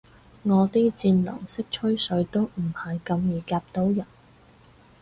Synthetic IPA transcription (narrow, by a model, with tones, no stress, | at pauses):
ŋɔː˨˧t̪iː˥t͡siː˧nlɐ̰˨˩ŋsɪ˥k̚t͡ʃʰɵ˥ɥsɵ˨˧˥ɥt̪o˥wm̩˨˩hɐ˨jkɐ˧mjiː˨˩kaː˧p̚t̪o˨˥wjɐ˨˩n